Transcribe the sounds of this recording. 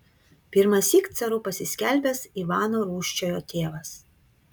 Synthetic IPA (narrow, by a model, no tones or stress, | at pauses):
pʲɪɾmɐsʲiːkt̪sʲɛɾʊpɐsʲɪsʲkʲælʲbʲɛsiʋɑːnoːɾuːʃʲt͡ʃʲoːjoːt̪ʲeːʋɐs